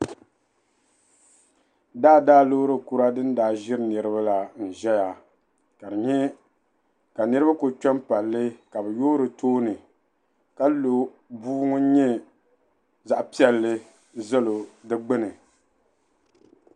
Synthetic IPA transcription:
daː˦daː˦lo˦ɾɨ˦ku˦ɾa˦dɨ˦n̩˦daː˨ʒɪ˦ɾɨ˦nɨ˨ɾɨ˦ba˦la˨n̩˨ʒɛ˦ja˨ | ka˨dɨ˨ɲɛ˦ | ka˨nɨ˦ɾɨ˦ba˦ko˨t͡ʃɔ˦mpa˨lːɨ˦ka˨bɨ˨joː˦ɾɨ˨tʰoː˦nɨ˨ | ka˦lo˨ | buː˦ŋʊ˦ɲɛ˦ | za˨ʔpi˦ɛ˨lːɨ˦ | zɛ˦lo˨dɨ˦ɡ͡bɨ˦nɨ˨

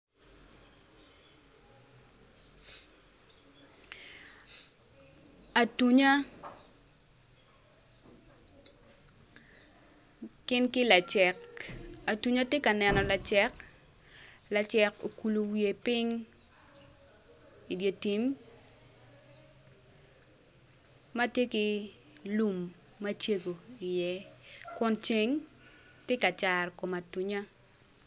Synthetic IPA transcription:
a˨tu˦ɲa˦ | kɪ˦nkɪ˦la˨t͡ʃɛ˨ka˨tu˦ɲa˦tje˦ka˨nɛ˨nɔ˨la˨t͡ʃɛ˦k | la˨t͡ʃɛ˨ko̰˨ku˨lo˨wje˨pɪ˦ŋ | i˨dje˨ti˨m | a˦tje˦kɪ˦ | lu˨mː | a˦t͡ʃe˦ɡo˨i˨jɛ˦kʊ˦nt͡ʃe˦ŋ | tje˦ka˨t͡ʃa˨rko˨ma˨tu˨ɲa˦

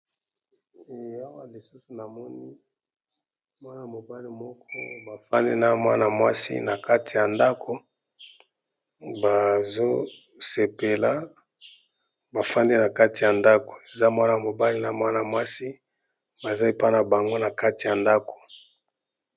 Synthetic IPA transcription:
e˨a˦wa˦li˨su˦su˨na˨mɔ˦ni˦ | mwa˦na˨mo˨ba˦li˦mɔ˦kɔ˦ba˨fa˦nde˦na˦mwa˦na˨mwa˦sḭ˦na˨ka˦ti˨ja˨nda˦kʰo˨ | ba˨zo˦ | se˨pe˨la˦ | ba˨fa˦nde˦na˨ka˦ti˨ja˨nda˦ko̥˨e˨za˦mwa˦na˨mo˨ba˦li˦na˨mwa˦na˨mwa˦si˦ | ba˨za˦e˨pa˦na˨ba˨ŋɡo˦na˨ka˦ti˨ja˨nda˦ko̥˨

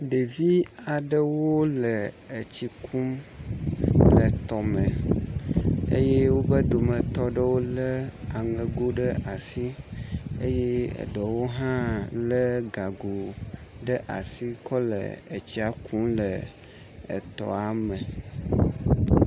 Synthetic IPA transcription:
ɖə˨vi˦a˨ɖə˦wo˦lə˨ | ə˨t͡ɕi˨kʰu˦m | lə˨t̪ɔ˨mə˨ | ḛ˦je˦wo˦bə˦d̪o˨mə̃˨t̪ɔ˨ɖə˦wo˦lə˦a˨ŋə˨ɡo˦ɖə˦ʔa˨si˦ | ḛ˦je˦ə̰˨ɖɔ˨wo˦ɦã˦lə˦ɡa˨ɡo˨ɖə˦ʔa̰˨si˦kɔ˦lə̰˨ə˨t͡ɕi˦a˨kũ˦mlə˨ | ə̰˨t̪ɔ̰˨a˨mə˨

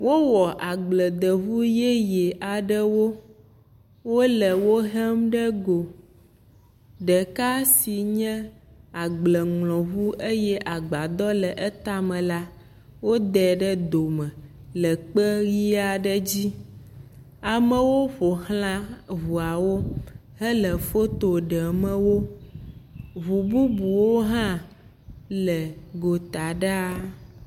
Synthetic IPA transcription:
wʔo˦wɔ˨ʔa˨ɡ͡blə˨d̪ə˨vu˦je˦je˨ʔa˨ɖə˦wo˦ | wo˦lə˨wo˦ɦɛ˦mɖə˦ɡo˨ | ɖɛ˨ka˦si˨ɲɛ̃˦a˨ɡ͡blɛ˨ŋlɔ̃˨vu˦ʔe˦jɛ˦ʔa˨ɡ͡ba˨d̪ɔ˦lə˨ʔe˦t̪a˦mɛ̃˨la˦ | wo˦d̪ɛ˨ɖə˦d̪o˨mə̃˨ | lə˨k͡pə˦ɣi˦a˦ɖə˦d͡ʑi˦ | a˨mə̃˨wo˦ɸo˨hlã˦βu˨a˨wo˦ | ɦə˦lə˨fo˦t̪o˨ɖɛ˨mə̃˦wo˦ | βu˨bu˦bu˨wo˦ɦã˦ | lə˨ɡo˨t̪a˨ɖa˦

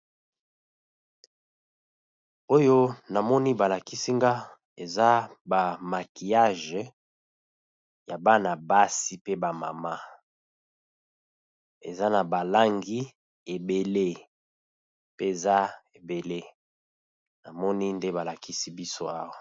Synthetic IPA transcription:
o˦jo˦na˨mɔ˦ni˦ba˨la˨ki˦si˦ŋɡa˦ | e˨za˦ba˨ma˨ki˨ja˦ʒ | ja˨ba˦na˨ba˦si˦pe˦ba˨ma̰˨ma˦ | ḛ˨za˦na˨ba˨la˦ŋɡi˦ | e˨be˨le˦ | pe˦e˨za˦e˨be˨le˦ | na˨mɔ˦ni˦nde˦ba˨la˨ki˦si˦bi˦so˦a˦wa˨

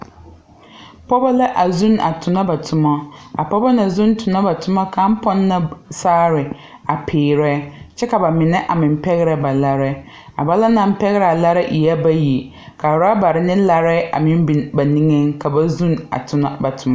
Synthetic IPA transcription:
pɔ˦ba˦la˦ʔa˨zũ˦na̰˨tʰʊ˨na˦ba˨tʰʊ˨ma˦a̰˨pɔ˦ba˦na˨zũ˦n˦tʰʊ˨na˦ba˨tʰʊ˦ma˦ka˦m̩˦pɔ˦nːa˦saː˦ɾɪ˨ | a˨pʰɪː˨ɾɛ˦t͡ʃɛ˦ka˨ba˨mɪ˨nɛ˦ʔa˨mɪ̃˨m˦pɛ˦ɣɪ˦ɾɛ˨ba˨la˦ɾɛ˦ | a˨ba˦la˦nã˨m̩˦pɛ˦ɣɪ˦ɾɛ˨a˨la˦ɾa˦ʔi˨a˦ba˦ji˨ | kʰa˨ɾa˦ba˨ɾɪ˦nɪ̃˦la˦ɾɛ˦a̰˨mɪ̃˦m˦bi˨ba˨nĩ˦ŋɛ˦ŋka˨ba˦zũ˦na̰˨tʰʊ˨na˦ba˨tʰʊ˨ma˦

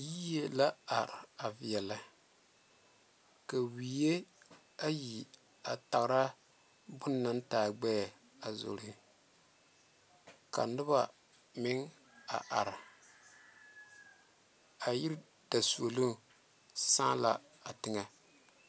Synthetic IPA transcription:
ji˦je˦la˦a˨ɾa˨vi˨ɛ˨la˦ | ka˨wi˨˦je˦ | a˦ji˨ | a˨ta˨ɣɾa˦ | bʊ˦nː˦a˦ntaː˨ɡ͡bɛ˦˨ | a˨zo̰˨ɾi˦ | ka̰˨nɨ˦ba˨ | mɪ˦ŋ | a̰˨ʔa˨ɾ | a˨ji˦ɾ | d̥a˨su˨o˨lu˦ | sãː˦la̰˦ | a˨tɪ˦ŋa˦

